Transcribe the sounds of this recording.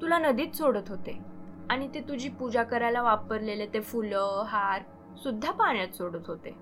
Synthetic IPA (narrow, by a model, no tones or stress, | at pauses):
t̪ulanəd̪iːt̪soɽət̪ɦot̪eaɽ̃it̪et̪ud͡ʑiːpud͡ʑakəɾalaʋapəɾlelet̪efuləɦaɾ | sud̪ʱːapaɳ̃jat̪soɽət̪ɦot̪ḛ